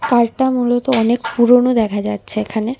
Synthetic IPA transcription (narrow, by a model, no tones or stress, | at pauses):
kaɾʈamulot̪oɔnekpuɾonod̪ɛkʰad͡ʑatːɕʰeekʰane